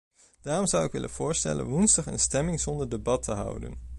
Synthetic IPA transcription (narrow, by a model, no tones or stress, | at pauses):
d̥aːrɔmzʌwɪkʋɪ̰lʔə̰nv̥ʊːɹstɛ̰lə̰nʋunzdɑχə̰nstɛmɪŋz̥ɔndəɹdəbɑtʰəɦʌ̰wdə̰n